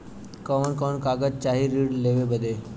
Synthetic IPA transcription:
kəʋnkɔnkaɡəd͡ʒt͡ʃaɦiɾiɽleʋebəd̪e

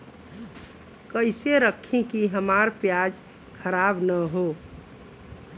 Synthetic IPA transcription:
kəɪseɾəkʰːẽkiɦəmaɾpjad͡ʒ | kʰəɾabnəɦo

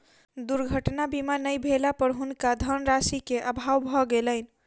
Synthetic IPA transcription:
d̪uɾɡʱəʈnabimanəjbʱelapəɾɦunkad̪ʱənɾasikeʔəbʱawbʱɔɡelənĭ

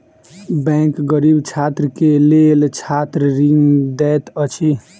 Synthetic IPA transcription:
bɛ̃ŋkɡəɾibt͡ʃʰat̪ɾəkelelt͡ʃʰat̪ɾɾiŋɡd̪ɛt̪ət͡ʃʰi

